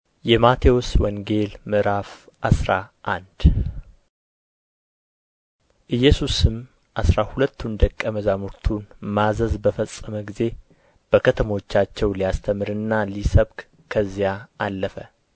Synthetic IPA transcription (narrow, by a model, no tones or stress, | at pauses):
jɛmat̪ʰewoswɔŋɡe̞lmɨɾaf | ʔasɾaʔand̪̥ | ʔɨjːɛsusɨm | ʔasɾahulət̪ʰːund̪əkʼːəməzamuɾt̪ʰunmazəzbəfəsʼːəməɡize̞ | b̥əkʰət̪ʰəmwo̞t͡ʃːat͡ʃːɛwlijast̪ʰəmɨɾɨnːalisəβɡ | kʰəzːijaalːəfə